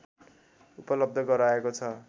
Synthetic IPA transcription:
upʌlʌb̚d̪ʱʌɡʌɾaekot͡sʰʌ

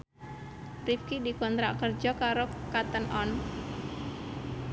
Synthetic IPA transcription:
rip̚kidikɔnt̪ɾakərd͡ʒɔkaɾokat̪ənʔɔn

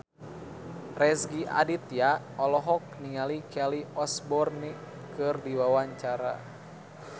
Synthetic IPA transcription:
rɛsɡiʔa̰dit̪ja | ɔlɔɦɔk̚niŋalikʰɛliɔsbɔrni | kɨrdiwawaɲt͡ʃaɾa̰

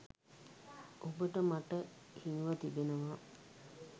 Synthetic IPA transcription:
ʔobəʈəmaʈəhiŋʋat̪ibenəʋaː

